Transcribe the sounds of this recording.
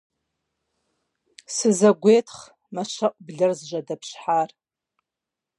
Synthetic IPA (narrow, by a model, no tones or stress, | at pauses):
sɨzɐɡʷetʰχ | maʃʷɐʔʷʼbɮɨrzʒʷɐdɐpʰʃħar